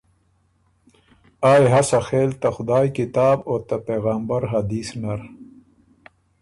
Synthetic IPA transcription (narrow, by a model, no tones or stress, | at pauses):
aːjɦasaxeːlt̪axʊd̪aːjkit̪aːboːt̪apeːɣaːmbɐɾɦɐd̪iːsnɐɾ